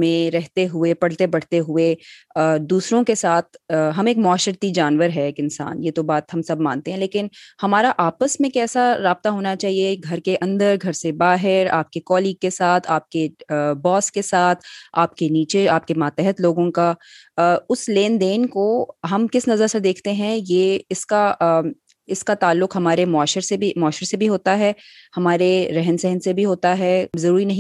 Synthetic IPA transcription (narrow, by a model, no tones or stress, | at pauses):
mẽɾɛɦt̪eɦʊepɐɽ̤t̪ebɐɽ̤t̪eɦʊe | d̪uːsɾõkesaːt̪̚ʰɦɐmeːkmʊaːʃəɾt̪id͡ʒaːnʋəɾɦɛeːkɪnsa̰ːnjeːt̪obaːt̪ɦɐmsɐbmã̰ːnt̪eɦɛ̃leːkɪnhɐmaːɾaʔaːpəsmẽkɛːsaɾaːb̚t̪aɦoːnat͡ʃaːɦieɡʱɐɾkeʔɐ̃nd̪əɾɡʱɐɾsebaːɦɪɾa̰ːp̚kekɔːliːɡ̚kesaːt̪ʰaːp̚kebɔːskesaːt̪ʰaːp̚keniːt͡ʃeaːp̚kemaːt̪ɛɦət̪loːɡõka | ʊsleːnd̪eːnkoɦɐmkɪsnɐzəɾsed̪eːkʰt̪eɦɛ̃jeːɪska | ɪskat̪aːlːʊkɦɐmaːɾemʊaːʃəɾsebimɔːʃəɾsebʱiɦoːt̪aɦɛː | hɐmaːɾeɾɛɦənsɛɦnsebʱiɦoːt̪aɦɛːzɐɾuːɾinɐɦĩ